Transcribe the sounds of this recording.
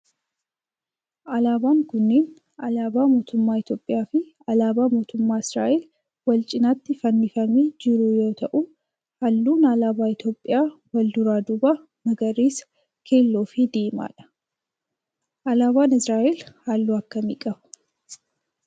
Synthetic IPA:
ʔɐlaːbaːŋkʊnːeːn | ɐlaːbaːmo̞ːt̪ʊmːaːɪt̪jo̞ːpʼːɪjaːfɪ | ɐlaːbaːmo̞ːt̪ʊmːaːɪsɾa̰ːʔeːl | wɐlt͡ʃʼɪnat̪ːɪfɐnːɪfɐmeːd͡ʒɪɾuːjo̞ːt̪ɐʔu | hɐlːuːnɐlaːbaːɪt̪jo̞ːpʼːɪjaːwɐld̪ʊɾaːd̪ʊbɐ | nɐɡɐɾiːs | kʰe̞ːlːoːfɪd̪eːma̰ːᶑɐ̥ | ʔɐlaːbaːnɪsɾaːʔelhalːuːɐkːɐmḭːkʼɐbʊ̥

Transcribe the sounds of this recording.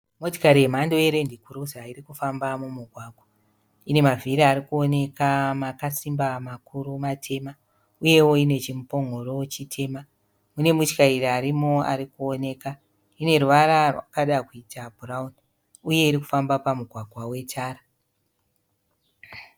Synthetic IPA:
mo̞ti̥kaɾiemando̞jeɾe̞ndikuɾuzairikufambamumuɡʱwaːɡʱwa | ine̞maviɾaaɾikuo̞ne̞kamakasimbamakʰuɾumatʰe̞ma | uje̞wo̞ine̞t͡ʃimupo̞ŋɡo̞ɾo̞t͡ʃitʰe̞ma | mune̞mut͡ʃi̥kairiaɾimo̞a̰ɾikuone̞ka | ine̞ɾuʋaɾarwa̰kaɗakuitʰabʱurauni | uje̞iɾiku̥fambapamuɡʱwaɡʱwawe̞tʰaːɾa

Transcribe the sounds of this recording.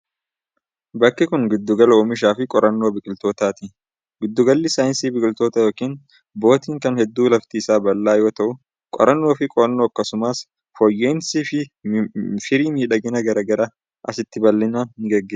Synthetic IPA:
bɐkːɪkʊnɡɪd̪ːʊɡɐloːmɪʃ̬aːfɪkʼɔɾʔɐnːo̞ːbɪkʼɪlt̪o̞ːt̪aːt̪ɪ | ɡɪd̪ːʊɡɐlːɪsaːjnsiːbɪkʼɪlt̪o̞ːt̪ɐjo̞ːkiːn | bo̞ːt̪iːŋkɐnhɛd̪ːuːlɐft̪iːsaːbɐlːaːjo̞ːt̪ɐʔʊ | kʼɔ̰ɾɐnːo̞ːfɪkʼɔɐnːoːɐkːɐsʊmaːs | fɔjːe̞ːnsiːfɪ | fɪɾiːmiːᶑɐɡɪnɐɡɐɾɐɡɐɾa | ʔɐsɪt̪ːɪbɐlːɪnaːnɪɡɐɡːeː

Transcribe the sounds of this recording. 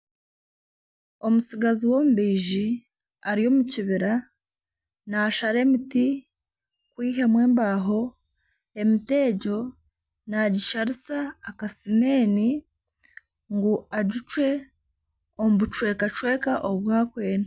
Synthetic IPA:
o̞musiɡaziwo̞muβiːʒi | aɾijo̞muciβiɾa | naʃaɾe̞miti | kwiːɦe̞mwe̞ːmbaːɦo̞ | e̞mite̞ːɟo̞ | naɟiʃaɾisaːkasime̞ːni | ŋɡuaɟut͡ʃwe̞ | omuβut͡ʃwe̞ːkat͡ʃwe̞ːkaʔoβwaːkwe̞ːna

